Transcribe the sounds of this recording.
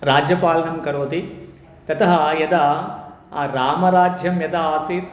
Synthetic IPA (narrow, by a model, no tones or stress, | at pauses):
ɾaːd͡ʒjɐpaːlɐnɐmkɐɾoːd̪i | t̪ɐt̪ɐɦɐjɐd̪ɐ | ɾaːmɐɾaːd͡ʒʱjɐmjɐd̪ɐaːsiːt̪